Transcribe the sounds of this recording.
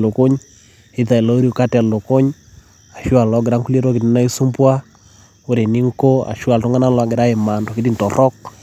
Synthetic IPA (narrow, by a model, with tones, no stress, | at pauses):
lo˨ko˦ɲ | ɪ˦ða˨i˨lo˦o˦ɾi˦o˨ka˦tɛ˨lo˨ko˦ɲ | a˨ʃwa˨lɔ˦ɡɪ˨ɾa˦ŋku˦le˦ɾɔ˦kɪ˨tnɪ˦na˦i˦su˦mpwa˦ | o˦ɾe˨ni˦ŋko˦a̰˨ʃwa˨lto˦ŋɡa˦na˦lwa˨ɡɪ˨ɾa˦e˨ma˨ndɔ˨kɪ˦ti˦˨ntɔ˨rɔ˦k̚